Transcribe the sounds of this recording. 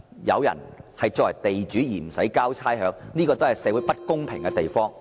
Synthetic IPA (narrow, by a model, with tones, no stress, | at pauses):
jɐ̰˨˧wjɐ̰˨˩nhɐ˨jt͡ʃɔː˧wɐ˨˩jt̪e˨jt͡ʃyː˨˥jiː˨˩m̩˨˩sɐ˨˥jkaː˥wt͡sʰaː˥jɦœː˨˧ŋniː˥kɔ˧t̪o˥whɐ˨˩jsɛː˨˧˥wuː˨˥pɐ˥t̚kʊ˥ŋpʰɪ˨˩ŋkɛ˧t̪e˨jfɔː˥ŋ